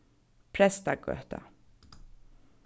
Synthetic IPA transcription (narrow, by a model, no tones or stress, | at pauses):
pʰɾɛst̪aɡœ̰ːt̪a̰